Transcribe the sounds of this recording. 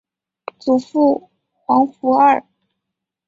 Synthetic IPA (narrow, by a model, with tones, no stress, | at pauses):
t͡su˨˩fu˥˩ | xwɑ˧˥ŋfu˧˥ə˞˥˩